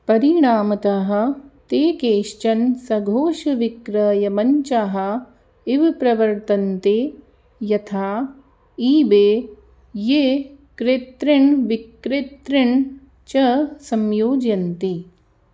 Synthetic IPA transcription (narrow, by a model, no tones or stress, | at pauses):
pɐɾiɳaːmɐt̪aɦɐ̆t̪eːkeːʃt͡ʃɐnsɐɡʱoːʃɐʋikɾɐːjɐmɐɲt͡ʃaɦɐ̆ | iʋpɾɐʋɐɾt̪ɐnt̪e | jɐt̪ʰaː | iːbeː | jekɾeːt̪ɾɐɳʋikɾeːt̪ɾɐɳ | t͡ʃɐsɐmjoːd͡ʒjɐnt̪i